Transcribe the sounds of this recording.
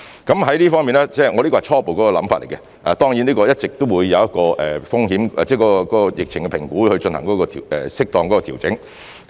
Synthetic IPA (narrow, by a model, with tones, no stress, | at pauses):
kɐ˨˥mɦɐ˨˥jliː˥fɔː˥ŋmiː˨nɛː˥t͡sɛː˥˩ŋɔː˨˧liː˥kɔː˧hjt͡ʃʰɔː˥po˨wkɔː˨˥kɔː˧lɐ̰˨˥mfa̰ː˧t̚le˨˩kɛ˧ | ʔɛ˨˩t̪ɔː˥ŋji˨˥nliː˥kɔː˧jɐ˥t̚t͡sɪ˨k̚t̪o˥wuː˨˧jːɐ˨˧wjɐ˥t̚kɔː˧ʔɛː˨fʊ˥ŋɦiː˨˥mɛ˨t͡sɛː˥˩kɔː˨˧˥kɔ˧kɔː˨˥kɔː˧jɪ˨k̚t͡sʰɪ˨˩ŋkɛ˧pʰɪ˨˩ŋkuː˨˥hɵ˧ɥt͡ʃɵ˧nhɐ˨˩ŋkɔː˨˥kɔː˧t̪ʰːɛ˨sɪ˥k̚t̪ɔː˨˧ŋkɔː˨˥kɔː˧iː˨˩wt͡sɪ˨˥ŋ